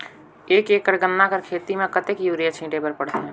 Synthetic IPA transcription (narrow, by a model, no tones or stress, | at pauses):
eːkeːkːəɾɡənːakəɾkʰeːt̪imẽkət̪ekjuːɾijat͡ʃʰĩːʈepəɾpəɽt̪eɦɛ̃ː